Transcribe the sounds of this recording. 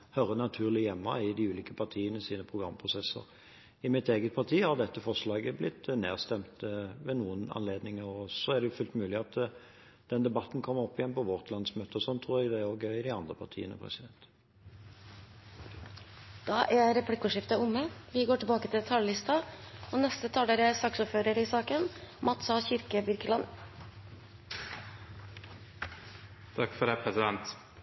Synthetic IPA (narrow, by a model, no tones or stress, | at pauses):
hœɾənɑt̪ʰʉːʁlɪjɛmːɑ̰ɪd̪ɪʉːliːkəpʰɑʁt̪ʰiːənəsiːnəpʰʁʊɡʁɑ̰mːpʰʁʊsɛsə̰ʁ | ɪmɪt̪eːɡət̪̚pʰɑʁt̪ʰiːhɑʁd̪ɛt̪ːəfɔʁʂlɑːɡəblɪt̪ːnḛːʁst̪ɛmt̪ʋɛnuːənɑ̰nleːd̪nɪŋəɔsɔæʁd̪ɛjʊfʉlt̪mʉːlɪɑt̪ | d̪̥ɛnd̪ɛbɑt̪ːn̩kʰɔmːəʁɔpːɪjɛnpʰɔʋɔʁt̪ʰlɑnsmøːt̪əɔsɔnt̪ʰʁuːɾjɛɡd̪ɛæoɡœɪd̪ɪɑnd̪ʁəpʰɑʁt̪ʰḭːənə̰pʰʁɛ̰sɪd̪ɛnt̪ | d̪̥ɑːʔæɾɛpʰlɪkːʊʂɪft̪əʊmːəʋɪɡoːʈɪbɑːkət̪ʰɪt̪ʰɑllɪst̪ɑoːnɛst̪ət̪ʰɑːləɾæsɑksʊːɾføːɾəɾɪsɑːkənmɑt̪sɑçɪɾkəbɪɾkəlɑn | t̪ʰɑkːfɔdɛpʰɾɛsɪd̪ɛnt̪